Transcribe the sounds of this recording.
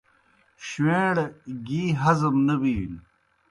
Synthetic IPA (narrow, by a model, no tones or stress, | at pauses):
ɕweːɽɡiːɦɐzɐmnɐbiːn